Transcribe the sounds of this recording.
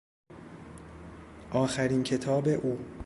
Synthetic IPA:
ʔɒːxæɾiːncʰe̞t̪ʰɒːbe̞ʔuː

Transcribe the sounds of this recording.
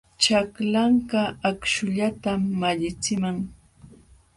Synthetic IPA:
t͡ʃaklaɴɢɑakʃʊʎat̪amːaʎɪt͡sɪmaŋ

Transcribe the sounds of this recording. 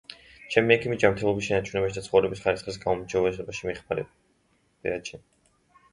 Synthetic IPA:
t͡ʃʰɛmiɛkʰimid͡ʒamɾt̪ʰɛlˠɔbisʃɛnat͡ʃʰunɛbaʃid̪at̪sχɔvɾɛbisχaɾisχis̬ɡaɔmt͡ʃʰɛuvɛzɛbaʃimiχmaɾɛ̰̥ | ɛ̰at͡ʃʰi

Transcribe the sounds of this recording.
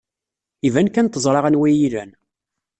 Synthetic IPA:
ivænkænt̪ːəzˤɾˤɑʁænwijiɾæn

